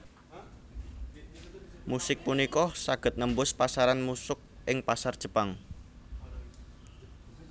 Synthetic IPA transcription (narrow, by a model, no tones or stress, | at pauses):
musɪk̚punikɔsaɡ̥ə̤t̪̚nəmbʊspasaɾanmusʊk̚ʔɪŋpasard̥ʒ̥ə̤paŋ